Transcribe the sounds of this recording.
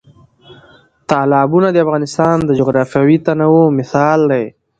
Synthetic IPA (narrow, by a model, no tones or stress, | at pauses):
t̪ɑːlɑːbunad̪əafɣɑːnɪst̪ɑːnd̪əd͡ʒʊɣɾɑːfjawit̪anawomɪsɑːld̪aj